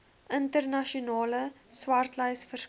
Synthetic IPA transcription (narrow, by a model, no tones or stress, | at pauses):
ʔəntərnɐʃiunɑːləswɐrtləjsfər